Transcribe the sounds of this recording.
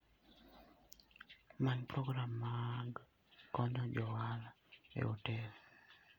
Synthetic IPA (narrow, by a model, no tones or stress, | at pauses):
manpɾɔɡɾamːaɡ | kɔɲɔd͡ʒɔwal | ḛotɛl